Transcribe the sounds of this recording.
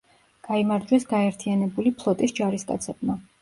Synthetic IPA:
ɡ̥aimaɾd͡ʒwɛsɡaɛɾt̪ʰianɛbulipʰlˠɔt̪ʼisd͡ʒaɾiskʼa̰t̪sʰɛb̚ma

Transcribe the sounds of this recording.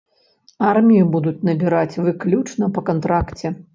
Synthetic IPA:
armʲijibud̪ut͡sʲnɐbʲiɾat͡sʲvɨklʲut͡ʂnɐpɐkant̪ɾakt͡sʲɛ

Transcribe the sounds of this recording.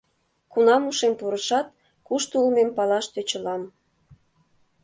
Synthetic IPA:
kunɑmuʃempuɾəʃɑt̪̚ | kuʃt̪ulmempɑlɑʃt̪øt͡ɕəlɑm

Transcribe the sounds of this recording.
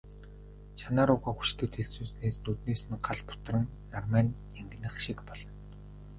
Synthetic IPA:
ʃanaːɾʊːʁaːxu̥t͡ɕt̪ʰɘ̆k̚t̪ʰeɮt͡suːsneːsnɵt̪neːsɘ̆nɢaɮpʊ̥t̪rə̆nːarmanʲ | jaŋɡ̆nɘ̆χʃikpɔɮ̥ɞ̆n

